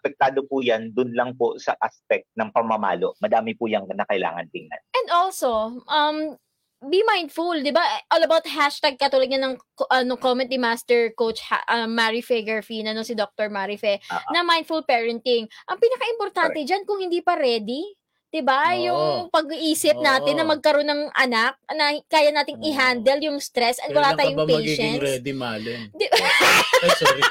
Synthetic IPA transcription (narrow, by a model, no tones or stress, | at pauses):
ʔɐpɛk̚t̪aːd̪opuːjand̪ʊnlɐŋposɐ̰ʔaspɛk̚t̪̚nɐŋpɐŋmɐma̰ːloʔmɐd̪aːmɪpujɐŋnɐkɐʔɪla̰ːŋɐnt̪ɪŋna̰nʔɛnd̪ʔolso̞ʔɐm | bimajnd̪fuld̪ɪbaʔʔolɐbawt̪̚haʃt̪aɡ̚kɐt̪uːlɐd̪̚ɲɐnɐŋ | ʔɐnoŋkomɛ̃nt̪̚ːɪmast̪ɛɹkowt͡ʃha̰ʔɐmːaɹifɛɡɛɹfinɐno̞sɪd̪ok̚t̪oɹmaɾifɛnɐmajn̚fulpɛɹɐnt̪ɪŋʔɐŋpiːnɐkaʔɪmpoɾt̪ant̪ɛd͡ʒankʊŋhɪnd̪iːpɐɾɛːd̪i | d̪̥ɪbajʊŋpɐɡ̚iʔiːsɪp̚naːt̪ɪnːɐmɐɡ̚kɐɾo̞nːɐŋʔɐnak̚nɐkaːjɐnaːt̪ɪŋɪɦand̪ɛljʊŋst̪ɾɛsʔɐt̪̚wɐlaːt̪ajʊŋpjɡʃɛnŋɾɛd̪ima̰ːlɛd̪ɪ